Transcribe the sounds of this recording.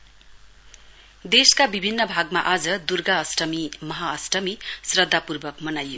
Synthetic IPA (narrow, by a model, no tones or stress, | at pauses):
d̪eskabibʱinːʌbʱaɡmaʔad͡zʌd̪urɡaʌsʈʌmimʌɦaʌsʈʌmisrʌd̪ʱːapurbʌkmʌnajːo